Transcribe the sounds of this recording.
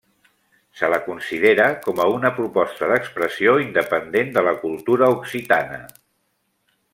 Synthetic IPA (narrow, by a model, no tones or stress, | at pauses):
sələkunsiðeɾəkɔməunəpɾupɔst̪əðəkspɾəsioind̪əpənd̪end̪ələkulˠt̪uɾəuksit̪anə̰